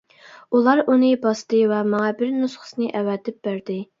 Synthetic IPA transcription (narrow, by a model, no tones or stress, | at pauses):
ulˠɑɾunɨbɑst̪ɨvɛmɑŋɑbɪɾnusχə̥snɨʔɛwɛt̪ɪp̚b̥æɾd̪ɪ